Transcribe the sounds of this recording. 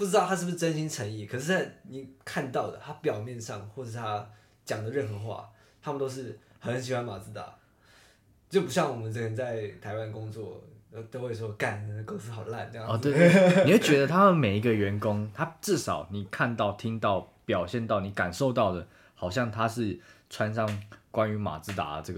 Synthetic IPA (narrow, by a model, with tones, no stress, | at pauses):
pu˥˩ʈ͡ʂɻ̩˥t̪ɑ˥˩t̪ʰa˥ʂɻ̩˥˩bɨ˩ʂ̩˥˧ʈ͡ʂə˥nɕi˥nʈ͡ʂʰə˧˥ŋi˥˩kʰɤ˨˩ʂɻ̩˥˧t͡sa˥˩ɪni˨˩kʰa˥˧nt̪ɑ˥˩ʊd̪ə˩t̪ʰa˥pjɑ˨˩ʊmjɛ˥˧nʂɑ˥˨ŋxwɔ˥˩ʈ͡ʂʂ̩˥˩t̪ʰa˦˥ | t͡ɕjɑ˨˩ŋd̪ə˦ɻə˥˩nxɤ˧˥˦xwa̰˥˩ | t̪ʰa˥mə˨nt̪o˥ʊʂ̬ɻ̩˥˩xə˧˦nɕ̬i˨˩xwa˦˥nma˨˩t͡s̩˧˥t̪a̰˨˩ | t͡ɕo˥˩ʊpu˧˥ɕjɑ˥˩ŋwɔ˨˩mə˦nt͡sə˥˩kə˧˥nt͡sa˥˩ɪt̪ʰa˧˥ɪwa˥˦n˩kʊ˥ŋt͡swɔ˥˩˨ | t̪o˥we˥˧˩ɪʂ̬wɔ˥ka˨˩n˧˩ko˥ŋs̩˥ɑ˨˩ʊ˦la̰˥˩nə˥˧jɑ̰˥˨ɔ˥˨˩t̪we˥˩ɪe˥˩i˨˩we˥˩t͡ɕɥɛ˧˦d̪ə˧t̪ʰa˥mə˨nme˨˩ɪi˧˥ɡə˨ɥɛ˧˦nkʊ˦˥ŋt̪ʰa˥ʈ͡ʂɻ̩˥˨ʂɑ˨˩ʊni˨˩kʰa˥˧nt̪ɑ˥˨ʊt̪ʰi˦˥ŋt̪ɑ˥˩ʊ | pjɑ˨˩ʊɕjɛ˥˧nt̪ɑ˥˩ʊni˨˩ka˨˩nʂo˥˧ʊt̪ɑ˥˩ʊd̪ə˩ | hɑ˨˩ʊɕjɑ˥˩ŋt̪ʰa˦ʂɻ̩˥˩ʈ͡ʂʰwa˦nʂ̬ɑ˥˨ŋkwa˦ny˧˥ma̰˨˩t͡sɹ̩˧˥t̪a̰˨˥˨ʈ͡ʂɤ˥˩ɡə